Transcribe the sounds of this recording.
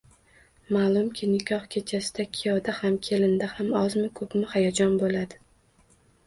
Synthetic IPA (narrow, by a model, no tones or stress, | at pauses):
maːlˠʊmkʲʰɪnɪkʲʰɒhkʲʰe̞t͡ʃʰasɪd̪̥akʲʰɪjɒd̪ahamkʲʰe̞lɪnd̪ahamɒzmɪkʰɵpmɪhajad͡ʒɒnbolad̪ɪ